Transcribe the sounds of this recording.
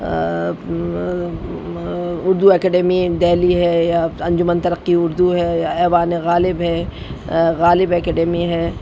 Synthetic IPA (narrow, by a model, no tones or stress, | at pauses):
ʊɾd̪uɛːkeːɖɛːmid̪ɛːliɦɛjaɐ̃ɲd͡ʒʊmənt̪ɐɾəqːiʊɾd̪uɦɛjaɛːʋaːneɣaːlɪbɦɛ | ɣaːlɪbɛːkeːɖɛːmiɦɛː